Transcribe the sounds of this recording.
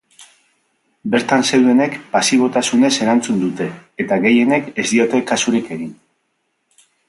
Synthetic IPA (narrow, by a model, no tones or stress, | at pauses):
be̞ɾt̪anse̞wðe̞ne̞kpasiβ̞o̞t̪asune̞se̞ɾant͡sund̪ut̪e̞et̪aɣe̞je̞ne̞ke̞zd̪io̞t̪e̞kasuɾike̞ɣin